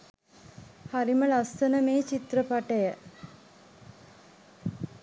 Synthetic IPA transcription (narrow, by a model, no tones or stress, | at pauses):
haɾiməlast̪ənəmeːt͡ʃit̪rəpaʈəjə